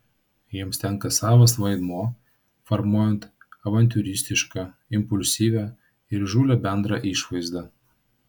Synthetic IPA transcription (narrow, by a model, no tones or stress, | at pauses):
jiɛmsʲt̪ʲɛŋkɐsɑːʋɐsʋɐɪd̪moː | fɐɾmuɔjɛnt̪ | ɐʋɐnʲt̪ʲuɾʲɪsʲt̪ʲɪʃkɑ | ɪmpʊlʲsʲiːʋʲæː | ɪɾʒuːlʲɛbʲɛnd̪ɾɑːʔiʃʋɐɪzd̪ɑː